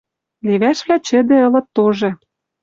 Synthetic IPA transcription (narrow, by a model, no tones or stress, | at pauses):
liβæʃβlæt͡ɕɘ̆d̪ĕɤ̆lɤ̆t̪ːoʒɤ̆